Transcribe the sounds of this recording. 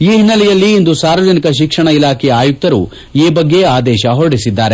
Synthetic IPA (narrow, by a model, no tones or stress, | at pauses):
iːɦinːɐlɛjɐlːiːnd̪usaːɾʋɐd͡ʒɐnikɐʃ̬ikʂɐɳɐilaːkʰɛjɐaːjuk̚t̪ɐɾṵ | iːbɐɡːe̞aːd̪ɛːʃɐɦoɾɽisid̪ːaːɾe